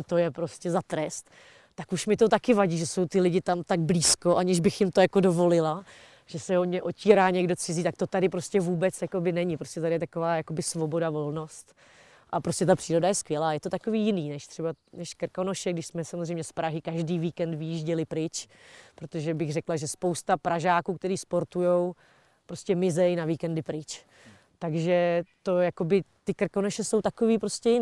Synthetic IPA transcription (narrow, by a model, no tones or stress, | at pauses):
t̪o̞jɛpɾo̞scɛzat̪ɾɛst̪ | t̪akuʃmɪt̪ot̪akɪvaɟiːʒɛso̞wt̪ɪlɪɟɪt̪amt̪aɡ̚bliːsko̞ʔaɲɪʒbɪxjɪmt̪ojako̞do̞vo̞lɪla | ʒ̥ɛsɛomɲɛʔociːɾaːɲɛɡdo̞t͡sɪziːt̪ak̚t̪o̞t̪adɪpɾo̞scʲɛvuːbɛt͡sjako̞bɪnɛɲɪpɾoscɛt̪adɪjɛt̪akovaːjako̞bɪsvo̞bo̞davo̞lno̞st̪ | ʔapɾoscʲɛt̪apr̥iːɾo̞dajɛskvjɛlaːjɛt̪ot̪ako̞viːjɪniːnɛʃt̪r̥ɛbanɛʃkr̩kono̞ʃɛɡdɪʃsmɛsamozrɛjmɲɛspɾaɦɪkaʒdiːviːkɛnd̪vɪjiʒɟɛlɪpɾɪt͡ʃ | pɾot̪o̞ʒɛbɪɣrɛklaʒɛspowst̪apɾaʒaːkuːk̚t̪ɛɾiːspo̞ɾt̪ujo̞w | pɾo̞scɛmɪzɛjnaviːkɛndɪpɾɪt͡ʃ | t̪aɡʒɛt̪o̞jakobɪt̪ɪkr̩konoʃɛso̞wt̪akoviːpɾo̞scɛ